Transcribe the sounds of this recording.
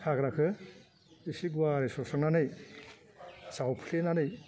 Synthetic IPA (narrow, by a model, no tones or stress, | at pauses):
hʰaɡɾakʰɯ | isiɡuaɾisɔsɔŋnanɯj | sawpʰlenanɯj